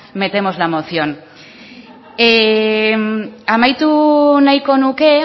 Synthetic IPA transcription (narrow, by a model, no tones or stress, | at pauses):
me̞t̪e̞mo̞zlamoθjo̞n | e | amajt̪unajkonuke